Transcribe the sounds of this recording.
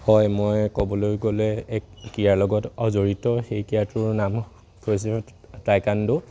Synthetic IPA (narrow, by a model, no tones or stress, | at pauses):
hɔjmojkɔbɔlojɡolɛɛkkijaɹlɔɡɔtɔzoɹitɔxejkijatʊɹnam | kʰojs̬ɛ | tajkandʊ